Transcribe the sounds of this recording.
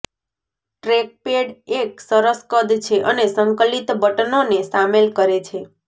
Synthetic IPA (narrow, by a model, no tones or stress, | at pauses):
ʈɾek̚peɽek̚səɾəskəd̪ʱt͡ʃʰeʔənesəŋkəlit̪bəʈənonesamelkəɾet͡ʃʰe